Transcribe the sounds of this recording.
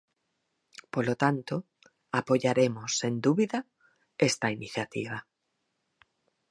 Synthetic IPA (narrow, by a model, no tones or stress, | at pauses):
polot̪ant̪o | apoʝaɾemosend̪uβiða | est̪ainiθjat̪iβ̞a